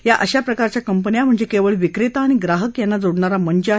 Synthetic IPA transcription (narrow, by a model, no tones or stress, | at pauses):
jaʔəɕapɾəkaɾt͡ɕjakəmpənijam̤əɳd͡zekeʋəɭʋikɾet̪aːɽ̃iɡɾaɦəkjanːad͡zoɽɳaɾaməɳd͡ʑə